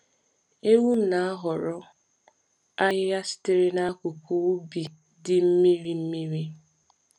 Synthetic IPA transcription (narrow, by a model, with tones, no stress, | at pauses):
e˦wu˦n̩˦˨na˨a˦ɦɔ˨ɾɔ˦ | a˦ɦɪ˦ja˦sɪ̥˦tɪ˨ɾɪ˦na˦kʊ˨kʷu˦bi˨ | dɪ˨m̩˦mi˦ɾi˦m̩˦mi˦ɾi˦